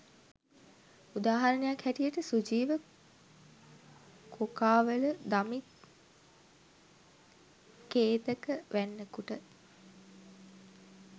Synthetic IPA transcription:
ud̪aːɦɐɾənejakhæʈijəʈəsud͡ʒiːʋə | kʰokaːʋələd̪amit̪ | keːt̪əkəʋʔænːəkuʈə

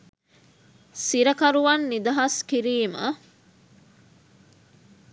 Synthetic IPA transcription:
siɾəkɐɾuʋɐnːid̪ɐɦɐskiɾiːmə̰

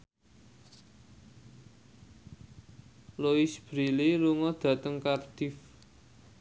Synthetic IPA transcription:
loisb̥ɾililuŋɔd̪̥ä̤t̪əŋkard̪̥if

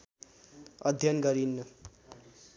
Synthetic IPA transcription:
ʌd̪ʱjʌnɡʌɾinːu

